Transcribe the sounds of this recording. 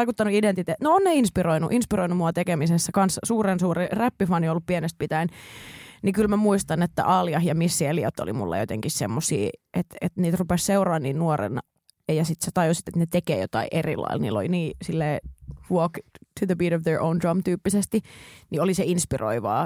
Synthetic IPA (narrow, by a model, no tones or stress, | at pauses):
ikut̪ːɑnuident̪it̪eːt̪noonneinspiroinṵʔinspiroinumuɑt̪ekemisesːækɑnssuːrensuːriræpːifɑniolːuppienest̪̚pit̪æin | nikylmæmuist̪ɑnet̪ːæ̰ʔɑljɑhjɑmisːieliot̪ːo̰lḭmṵlːɑ̰jo̰t̪ḛŋkissḛmːosḭːʔet̪et̪niːt̪rupesseurɑːnniːnnuorḛn | jɑsit̪set̪ɑjusit̪et̪net̪ekḛːjo̰t̪ɑ̰iʔerḭlɑ̰ḭlnḭːlːo̰liniːsilːeːʋokt̪ʰuðəbiːɾoʋðəɹʔoundɑmt̪yːpːisest̪inioliseinspirʔo̰iʋɑ̰ː